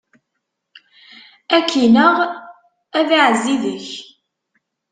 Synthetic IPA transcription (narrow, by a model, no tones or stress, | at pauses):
ækʰːinəʁ | æðiʕəzːiðəç